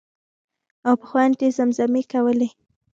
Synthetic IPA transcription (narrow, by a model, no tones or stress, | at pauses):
awpə̥xwant̪ezamzamekawəle